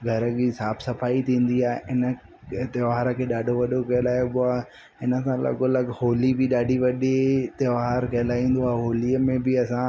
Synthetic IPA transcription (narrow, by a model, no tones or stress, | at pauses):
ɡʱɐɾəɡisaːbsɐfaːit̪ʰĩːn̆d̪iaːeɪnə̆ | t̪ɐʋaːɾəkʰeːɗaːɖʱoʋɐɗokɐɦɪlaːjoɓʊaːɦ | ɪnə̆sãlɐ̰ɠolɐɡhoːlibɪɗaːɖʱiʋɐɗit̪ɐʋaːɾkɐɦlaːĩːn̆d̪oaːeɦoːliəmẽbɪɐsã